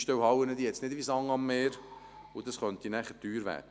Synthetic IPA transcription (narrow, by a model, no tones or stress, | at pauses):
ʃtœwhɑwənəd̪iɛt͡snɪdʋisɑŋɑmːeːɾ | ʊd̥̪ɑsχœnt̪inæːχətyːɾʋæ̰ːdə